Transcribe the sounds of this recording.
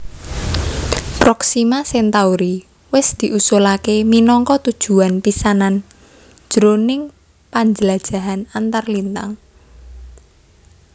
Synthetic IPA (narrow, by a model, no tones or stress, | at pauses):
pɾɔksimasɛnt̪auɾi | wɪsd̪̥i̤ʔusulakeminɔŋkɔt̪ud̥ʒ̥ṳanpisanan̥ | ʒ̥ɾonɪŋ | paɲd͡ʒəlad̥ʒ̥a̤ɦanant̪arlint̪a̰ŋ